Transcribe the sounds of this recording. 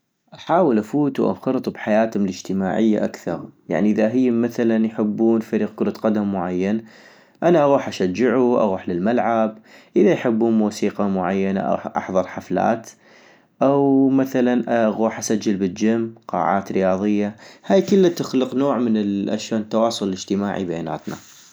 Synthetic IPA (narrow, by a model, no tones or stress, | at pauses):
ʔaħaːwəlʔafuːt̪uʔa̰xɑɾt̪ˤbħajaːt̪hʊmɪlɪd͡ʒt̪ɪmaːʕɪjːa̰ʔakθɑ̰ɾˤja̰ʕniʔɪðaɦɪjːmaθalanjħɪbːuːnfaɾiːq̚kʊɾˤɑt̪qɑd̪amːʊʕajːan | ʔanaʔaɣuːħʔaʃad͡ʒːɪʕuʔa̰ɣuːħlɪlmalʕab̚ʔəðajħɪbːuːnmuːsiːqɑmʊʕajːana̰ʔa̰ʔɑ̰ħðˤɑɾˤħafla̰ːt̪ | ʔawmaθalanʔaɣuːħʔasad͡ʒːɪlbɪd͡ʒamːqɑ̰ːʕa̰ːt̪ɾɪjɑːðˤɨjːahaːjkɪlːat̪ɪxlɪqnoːʕmɪnɪʔa̰ʃoːnt̪ːɑwɑːsˤʊləlɪd͡ʒt̪ɪma̰ːʕḭbajaːna̰ːt̪na̰